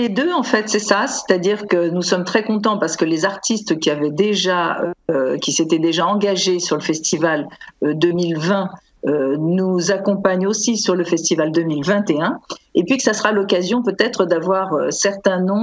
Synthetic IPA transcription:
led̪øɑ̃fɛt̪sɛsase̥t̪ad̪iʁkənusɔmt̪χɛkɔ̃t̪̬ɑ̃paʁsə̥kəlezaʁt̪ist̪kʲiavɛd̪eʒaø̰kʲiset̪ɛd̪eʒaɑ̃ɡaʒesyʁləfɛst̪ivalød̪ømilvɛ̃ | ønuzakɔ̃paɲosisyʁləfɛst̪ivald̪ømilvɛ̃t̪eɛ̃epɥikə̥sasəʁalɔkazjɔ̃pøt̪ɛt̪χəd̪avwaʁøsɛʁt̪ɛ̃nɔ̃

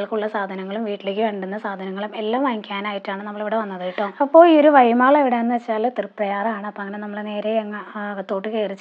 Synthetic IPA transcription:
ɭkuɭːɐsaːd̪ʱɐnɐŋːɐɭumʋiːʈːilekːɨʋeːɳɖunːɐsaːd̪ʱɐnɐŋːɐɭume̞lːaːmʋɐŋikʲːaːnaːjiʈːaːɳɨnɐmːɐɭeʋiɽe̞ʋɐnːɐðɐːjiʈːoːɐpːo̞ːɭio̞ɾuʋɐjmaːɭeʋiɽe̞enːɨʋet͡ɕːaːlt̪irɨpːrɐjaːraːɳɨɐpoːɐŋːɐne̞nɐmːɐɭene̞ːɾe̞ːŋːɐt̪ːo̞ːʈːɨkeːrit͡ɕːɨ

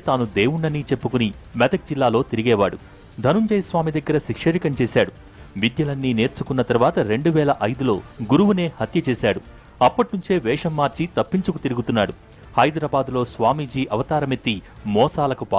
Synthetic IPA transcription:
t̪aːnud̪e̞ːwuɳːɐniːt͡ʃepːukunimɛd̪ɐk̚d͡ʒilːaːlo̞ːt̪iɾiɡɛːʋaːɽu | d̪ʱɐnuɲd͡ʒɐjsʋaːmid̪ɐɡːɐɾɐʃikʂɐɾikɐmt͡ʃeːsaːɽu | ʋid̪jɐlɐnːiːne̞ːɾt͡ʃukunːɐt̪ɐɾʋaːt̪ɐɾe̞ɳɖuʋɛːlɐʔɐjd̪ulo̞ːɡuɾuʋune̞ːhɐt̪jɐt͡ʃeːsaːɽu | ɐpːɐʈinuɲt͡ʃe̞ːʋɛːʂɐmːaːɾt͡ʃit̪ɐpːiɲt͡ʃukut̪iɾiɡut̪unːaːɽu | hɐjd̪ɾaːbaːd̪lo̞ːsʋaːmid͡ʒiːʔɐʋɐt̪aːɾɐmet̪ːi | mɔːsaːlɐkupaː

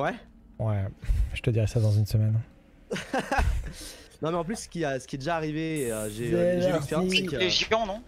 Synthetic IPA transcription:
wɛ | wɛʒ̥ət̪əd̪iʁɛsad̪ɑ̃zynsəmɛn | nɔ̃mɛɑ̃p̬lysːə̥kʲiasə̥kʲiɛd̪eʒaːʁiveːøʒelɛksspeʁj̃sɛkəeʒɑ̃nɔ̃

